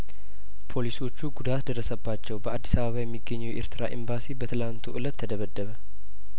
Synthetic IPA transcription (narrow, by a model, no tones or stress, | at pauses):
pʰo̞liso̞t͡ʃːuɡud̪at̪d̪ərːəsəbːat͡ʃːɛwbəad̪ːisaβəβajɛmːiɡːəɲːuʔḛɾt̪ʰɨɾaʔḭmbasibət̪ʰɨlant̪ʰuʔɨlət̪ʰːəd̪əβəd̪ːəβə